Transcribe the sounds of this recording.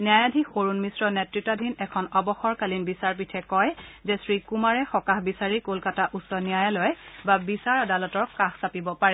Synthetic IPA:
niajadʱixoɹunmisɹɔnɛtɹik̚tadʱinɛkʰɔnɔbɔxɔɹkalinbisaɹp̬itʰɛkɔjzɛsɹikumaɹɛxɔkaxbisaɹikolkataʔusɔnijajalɔjbabisaɹadalɔtɔɹkaxsapibɔpaɹɛ

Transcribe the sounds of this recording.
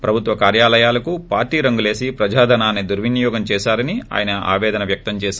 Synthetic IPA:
pɾɐbʱut̪ʋɐkaːɾjaːlɐjaːlɐkupaːɾʈiːɾɐŋɡule̞ːsipɾɐd͡ʒaːd̪ʱɐnaːnid̪uɾʋinjɔːɡɐmt͡ʃɛːʃaːɾɐnia̰ːjɐnɐa̰ːʋɛːd̪ɐnɐʋjɐk̚t̪ɐmt͡ʃɛːʃ

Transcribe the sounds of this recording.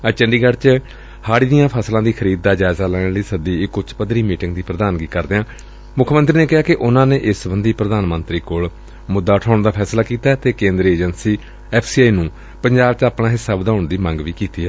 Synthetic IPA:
ət͡ʃəɳɖiːɡəɽt͡ʃ | haːɽiːd̪ijãːpʰəslãːd̪iːkʰəɾiːd̪̚d̪aːd͡ʒaːɪzaːlɛːɽləiːsəd̪iːɪkːʊt͡ʃpəd̪ɾiːmiːʈɪ̃ŋɡd̪iːpɾəd̪aːnɡiːkəɾd̪eːãː | mʊkʰːmənt̪ɾiːneːkɪɦaːkɪʔʊnãːneːʔɪsbənd̪iːpɾəd̪aːnmə̃nt̪ɾiːkoːɭ | mʊd̪ːaːʈʰaːʊɳd̪aːpʰɛːslaːkiːt̪aːɛt̪eːkẽːnd̪ɾeːd͡ʒənsiː | ɛːpʰsiːaːiːnũː | pəɲd͡ʒaːb̚t͡ʃaːpnãːɦɪsːaːbəd̪aːʊɳd̪iːmə̃ŋɡʋiːkiːt̪iːɛː

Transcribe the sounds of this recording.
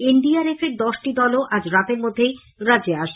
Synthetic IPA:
eɳɖiaɾefeɾd̪ɔʃʈid̪ɔloʔad͡ʑɾat̪eɾmod̪ʱːej | ɾad͡ʑeaʃ

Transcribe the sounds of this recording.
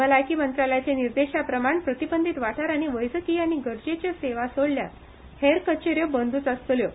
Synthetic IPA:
əlajkiːmənt̪ɾaljat͡seniɾd̪eɕapɾəmaɳpɾət̪ibənd̪ʱit̪ʋaʈʰaɾaɽ̃iʋəjsəkiːaɽ̃iɡəɾd͡ʑet͡ɕəseʋasəɽlja̰ | heɾkət͡ɕeɾjəbənd̪ʱuːt͡səst̪ljo

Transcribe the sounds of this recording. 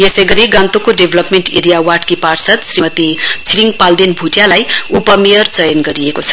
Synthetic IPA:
jesʌjɡʌɾiɡãnt̪okoɖebʱlʌpmeɳʈḛɾijawaʈkiparsʌt̪srimʌt̪it͡sʰiliŋɡpald̪inbʱuʈjalajupʌmeʌrt͡sʌjʌnɡʌɾiekot͡sʰʌ̥

